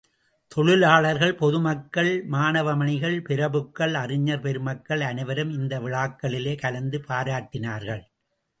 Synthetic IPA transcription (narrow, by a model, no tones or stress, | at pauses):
t̪ɔɻɯlaːɭɐɾɣɐɭpɔðɯmɐkːɐɭmaːnɐʋɐmɐɳɪɣɐɭpɪɾɐbɯkːɐɭɐrɪɲːɐɾpɛɾɯmɐkːɐɭɐnɐʋɐɾɯmɪnd̪ɐʋɪɭaːkːɐɭɪleːkɐlɐnd̪ɯpaːɾaːʈːɪnaːɾɣɐɭ